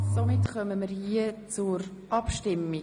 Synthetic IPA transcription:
somɪtχœməməɾhiət͡sʊɾ | ʔɑpʃtɪmːi

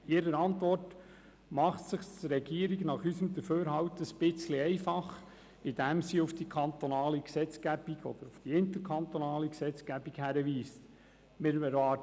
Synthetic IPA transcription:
ɪɾəɾɑnt̪ʋɔrt | mɑχtsɪχtɾɛɡiːəɾiɡnɑχysəmd̪əføːɾɦɑwtəspɪt͡sliɛɪfɑχ | ɪd̥æmsiʊfd̥ikʰɑnt̪ɔnɑːliksɛt͡skæb̥iɡɔ̰d̥̪əɾʊfd̥iɪnt̪əɾkʰɑnt̪onɑːliksɛt͡skæbikhæɾəʋiːst | mɪɾɛɾʋɑː

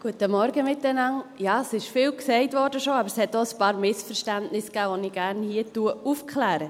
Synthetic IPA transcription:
ɡ̥uətəmɔɾɡəmɪtːɛnɑŋjɑːsɪʃfɪːlksɛɪtʋɔɾdəʃoɑbəɾshɛtːoːəspɑːɾmɪsfəɾʃtæntnɪskæːʋoniɡ̥æɾnhiːətuəufkχlæːɾə

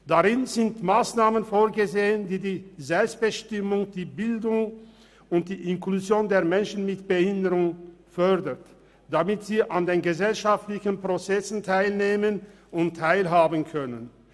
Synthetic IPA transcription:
d̥aʁɪnzɪntmaːsnaːmənfoːɐɡəzeːəndiːdiːzɛlpst̚b̥əʃtɪmʊŋd̥iːbɪldʊŋ | ʊnt̚d̥iːʔɪnkluzjoːndeːɐmɛnʃn̩mɪtb̥əhɪndəʁʊŋ | fœɐdət | d̥amɪtz̥iːʔandeːnɡəzɛlʃaftlɪçn̩pʁ̥ot͡sɛsn̩tʰaɪlneːmən | ʊntʰːaɪlɦaːbənkʰœnən

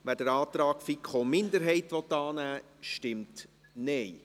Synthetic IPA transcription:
ʋæːdəɾɑːt̪ɾɑːkfikχomɪndəɾɦɛɪt̪ʋɔt̪ːɑːnæː | ʃtɪmt | nɛj

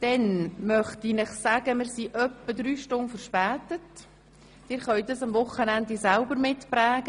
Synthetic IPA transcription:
d̪̥ɛnmœχtinɪχsæɡ̥əmɪɾsiʔœpːədɾyːʃtʊnfəɾʃpæːt̪ətː | ɪːɾχœʏd̪əsɑmvʊχənænd̪isælbəɾmɪtplæːɡ̥ə

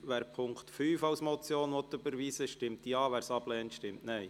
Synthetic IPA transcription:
ʋæːɾpʰʊŋktfyːfɑwsmɔt͡sjoːnʋɔt̪ːʏbəɾʋiːsəʃtɪmt̪jɑːʋæːɾsɑb̥lɛːntʃtɪmtnɛɪ

